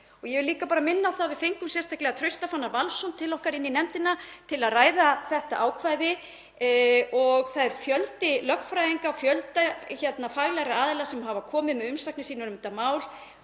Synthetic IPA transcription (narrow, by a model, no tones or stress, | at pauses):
ɔɣjɛvɪliːkapaːɾamɪnːaːwθavɪðfejŋkʏmsjɛrst̪ʰahklɛɣat̪ʰɾʏɥst̪afanːaɾvalsɔnt̪ʰɪlɔhkaɾɪnːinɛmt̪ɪnat̪ʰɪlaðraːjðaθɛht̪aʔaːwkʰvajðɪ | ɔɣθaðɛɾfjœlt̪ɪlœkn̥fɾajiŋkafjœlt̪açɛt̪nafaɣlaɾaaːðɪlasɛmɦavakʰɔːmɪðmɛðʏmsaknɪsiːnaɾʏmt̪amaːwl